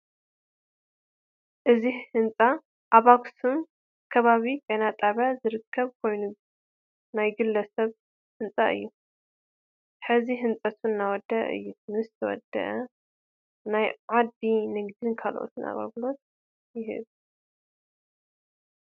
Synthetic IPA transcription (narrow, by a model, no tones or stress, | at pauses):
ʔɨzihɨnt͡sʼa | ʔaβaksum | kʰɐβaβikʼɐnat̪ʼaβazɨɾɨkʰːɐβkʰo̞jnu | najɡɨlːɐsɐβ | hɨnt͡sʼaʔɨ̰jːu | ħɨziɦɨnt͡sʼɐt̪ʰuɨnːawɔd̪ːɐʔʔɨ̰jːunɨzɨt̪ʰɐwɔ̰d̪ɐ̰ʔɐ | najʕad̪inɨɡd̪ɨnkʰalʔo̰t̪ʰɨna̰βa̰βlo̞t̪̚ | jɪɦɨ̰β